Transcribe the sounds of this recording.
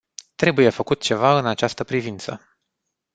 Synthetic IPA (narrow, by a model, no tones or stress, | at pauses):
t̪ɾe̞buje̞fəkut̪̚t͡ʃe̞vaɨnat͡ʃast̪əpɾivint̪sə̰